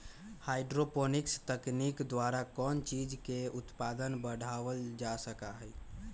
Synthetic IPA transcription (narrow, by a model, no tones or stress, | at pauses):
hajɖɾoponikst̪əknikd̪waɾakɔnt͡ʃid͡ʒkeut̪pad̪ənbəɽ̤ʱaʋəld͡ʒasəkaɦɛj